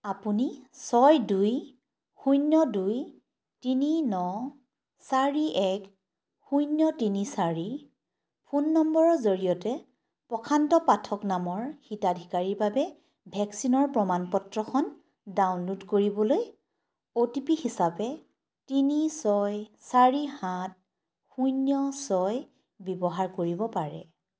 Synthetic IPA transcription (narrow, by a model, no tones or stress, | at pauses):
apunisɔjduj | xujnːɔduj | tininɔ | saɹiʔɛk | xujnjɔtinisaɹi | pʰunːɔmbɔɹɔzoɹijɔtɛ | pɔkʰantɔpatʰɔknamɔɹxitadʱikaɹiɹbabɛ | bʱɛksinɔɹpɹɔmanpɔtɹɔxʰɔn | dawnlutkoɹibɔloj | otipihisapɛ | tinisɔjsaɹihat̚ | xujnjɔsɔj | bɔbɔɦaɹkoɹibɔpaɹɛ̰